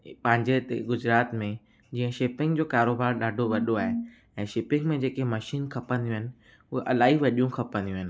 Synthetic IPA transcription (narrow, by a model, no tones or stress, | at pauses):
pɐ̃ɦɪ̃ɲd͡ʑet̪eɡʊd͡ʑɾaːt̪mẽ | d͡ʑiːə̃ʃɪpɪ̃ŋɡd͡ʑoːkaːɾoːbaːɾɗaːɖʱoʋɐɗoaːɦe | ɛ̃ːʃɪpɪ̃ŋɡmẽd͡ʑeːkemɐʃiːnkʰɐpə̃nd̪ijũɦɪ̃nɪ̆ | ʊɦeʔɐlaːɦiʋɐɗijũkʰɐpə̃nd̪ijũɦɪnɪ̆